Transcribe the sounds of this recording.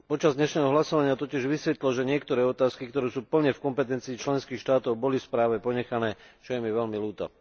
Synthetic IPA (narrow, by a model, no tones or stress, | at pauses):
pɔt͡ʃazd̪ɲɛʃnɛːɦɔɦlasɔʋaɲɪat̪ɔcɪɛʒʋisʋɛt̪lɔʒɛɲɪɛkt̪ɔɾɛːɔt̪aːskikt̪ɔɾɛːsuːpl̩ɲɛfkɔmpɛt̪ɛnt͡siːt͡ʃlɛnskiːxʃt̪aːt̪ɔʊbɔlifspɾaːʋɛpɔɲɛxanɛːt͡ʃɔjɛmiʋɛʎmiluːt̪a̰